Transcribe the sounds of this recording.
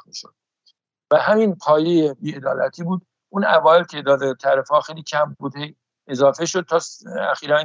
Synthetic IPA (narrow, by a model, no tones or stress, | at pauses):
miʃo̰d̪̥̚ | væɦæminpʰɒːjejebiːed̪ɒːlæ̰t̪ʰiːbuːd̪ | ʔuːnævɒːelcʰed̪ɒd̪et̪ʰæɾefɒːxejliːcʰæmbuːd̪hej | e̞zɒːfe̞ʃod̪̚t̪ʰɒːæ̰xiːɾæn